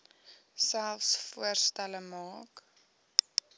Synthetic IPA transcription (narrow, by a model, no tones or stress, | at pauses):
sælˠfsfuərstæləmɑːk